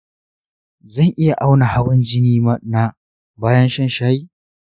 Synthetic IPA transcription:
zɐ˦˨ŋʔɪ˦ja˨ʔa˦wna˨ha˦bɐ˦nd͡ʒɪ˦niː˦mɐ˦ʔnaː˦ | baː˦jɐ˦nʃɐ˦nʃaː˦ji˦

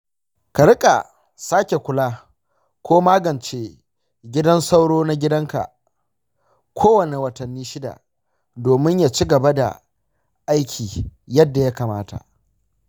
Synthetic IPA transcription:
kɐ˨ɽɪ˦kʼa̰˨ | saː˦kʲe˨kʷʊ˦laː˦ | kʷoː˦maː˦ɡɐ˨nt͡ʃe˦ | ɡʲɪ˦dɐ˦nsa˦wɽoː˦na˦ɡʲɪ˦dɐ˦ŋka̰˨ | kʷʰoː˦wɐ˨ne˨wɐ˨tɐ˨nːiː˦ʃɪ˦da̰˨ | doː˨mɪ˦ɲjaː˨t͡ʃi˦ɡɐ˨ba˦da̰˨ | ʔa˦jkʲʰiː˨jɐ˦dːa˨ja˦kaː˨maː˦ta̰˨ʔ

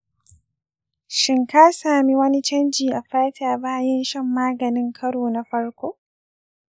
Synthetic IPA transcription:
ʃɪ˨ŋka˦saː˨mi˦wɐ˦ni˦t͡ʃɐ˦nd͡ʒiː˨ʔa˨ɸaː˦taː˨baː˦jɛ˦nʃɐ˦mːaː˦ɡɐ˨nɪ˦ŋkʰɐ˦ɽoː˨na˦ɸɐ˦ɽkʷoː˦

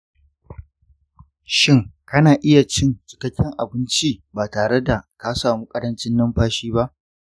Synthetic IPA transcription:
ʃɪ˦ŋkɐ˦naː˨ʔɪ˦ja˨t͡ʃɪ˦nt͡ʃɪ̥˨kɐ˦kʲːɪ˦ŋʔa˨bɪ˦nt͡ʃi˦baː˨taː˨ɽe˦da˨ka˦saː˨muː˦kʼɐ˦ɽɐ˦nt͡ʃɪ˦nːɐ˦mɸaː˦ʃiː˦ba˦ʔ

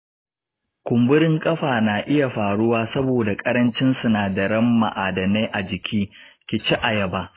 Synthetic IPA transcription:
kʷʊ˨mbʊ˦ɽɪ˦ŋkʼɐ˦ɸaː˨naː˨ʔɪ˦ja˨ɸaː˨ɽʊ˦waː˦sɐ˦boː˨da˨kʼɐ˦ɾɐ˦nt͡ʃɪ˦nsu˨naː˨dɐ˨ɽɐ˦mːa̰˨ʔaː˨dɐ˨ne˦jʔa˨d͡ʒɪ˨kʲʰiː˦ | kʲɪ˨t͡ʃi˦ʔa˨jɐ˨baː˦

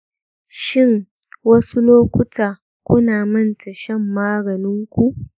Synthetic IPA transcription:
ʃɪ˦˨ŋ | wɐ˦su˦loː˦kʷʊ˦tʰaː˨ | kʷʊ˦naː˨mɐ˦˨ntʰɐ˨ʃɐ˦˨mːaː˦ɡɐ˨nɪ˦ŋkʷu˦ʔ

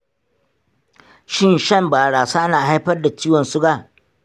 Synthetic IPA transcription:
ʃɪ˦˨nʃɐ˦˨mbaː˨ɽaː˨saː˦ʔnaː˨ɦa˦jɸɐ˦rda˨t͡ʃiː˦wɔ˨nsʊ˦ɡa˨

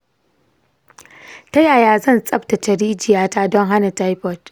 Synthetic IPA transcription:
ta˦jaː˨jaː˨zɐ˦˨nsʼɐ˦ɸta˨t͡ʃɐ˨ɽiː˦d͡ʒɪ˨jaː˦taː˦dɔ˦ŋɦa˦na˨ta˦jpɔ˦˨t

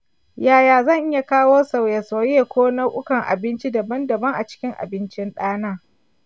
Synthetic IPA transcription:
jaː˦˨jaː˨zɐ˦ŋʔɪ˦ja˨kaː˦woː˦sa˨wjɐ˨sa˨wjeː˦kʷoː˦nɐ˦ʔʷʊ˦kɐ˨ŋʔa̰˨bɪ˦nt͡ʃi˦dɐ˨bɐ˦ndɐ˨bɐ˦ŋʔa˨t͡ʃɪ̥˦kʲɪ˦ŋʔa̰˨bɪ˦nt͡ʃɪ˦nɗaː˦naː˦˨

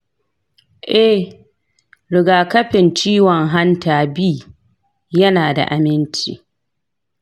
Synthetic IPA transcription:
ʔɛ˦ | ɽɪ˨ɡaː˨kɐ˦ɸɪ˨nt͡ʃiː˦wɔ˨ŋɦa˦ntaː˨biː˦ | jɐ˦naː˨da̰˨ʔa˨mɪ˦nt͡ʃḭː˨

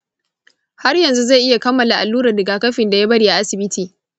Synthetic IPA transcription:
ha˦rjɐ˨nzu˦za˦˨jʔɪ˦ja˨kɐ˦mːɐ˨la˨ʔa˨lːuː˦ɾa˨dɪ˨ɡaː˨kɐ˦ɸɪ˨nda˨ja˦bɐ˦ɽiː˨ʔa˨ʔa˦sɪ˨bɪ˦tʰiː˨

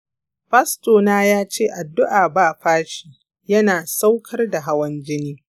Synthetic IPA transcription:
ɸɐ˦stoː˨naː˦jaː˦t͡ʃeː˦˨ʔa˨dːʊ˦ʔaː˨baː˦˨ɸaː˦ʃi̥ː˨ | jɐ˦naː˨sa˦wkʰɐ˦rda˨ɦa˦wɐ˦nd͡ʒɪ˦niː˦

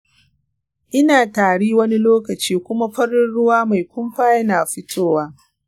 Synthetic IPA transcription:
ʔɪ˦naː˨taː˨ɽiː˦wɐ˦ni˦loː˦kɐ˨t͡ʃiː˦kʷʊ˦ma˦ɸɐ˦ɽɪ˦ɽʊ˦waː˦ma˨jkʷʊ˦mɸaː˦jɐ˦naː˨ɸɪ˦tʰoː˦waː˦

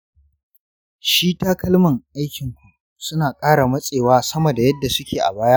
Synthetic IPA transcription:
ʃiː˦taː˦kɐ˦lmɐ˨ŋʔa˦jkʲɪ˨ŋkʷu˨ | sʊ˦naː˨kʼaː˦ɽa˨mɐ˦sʼeː˨waː˦sɐ˦mo˨da˨jɐ˦dːa˨sʊ˦kʲʰeː˨ʔa̰˨baː˦jaː˦

